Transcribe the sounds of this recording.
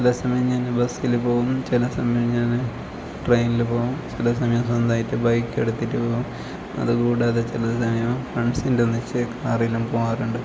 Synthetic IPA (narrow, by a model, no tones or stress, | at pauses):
t͡ɕilɐsɐmɐjɐmɲaːnbɐsilpo̞ːɣumt͡ɕilɐsɐmɐjɐmɲaːn | ʈrejnilpo̞ːumt͡ɕilɐs̬ɐmɐjɐmsɐnd̪aːjitːɨbɐjkːe̞̰ɽut̪ːitːɨpoːɣum | ɐ̰ðɨkuːɽaːðet͡ɕilɐsɐmɐjɐmfreɳsindenːit͡ɕːɨkaːrijilumpoːaːruɳɖɨ